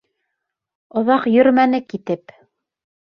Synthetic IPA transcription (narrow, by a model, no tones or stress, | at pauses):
ŏðɑqjɵ̆ɾmænɘkit̪ɘp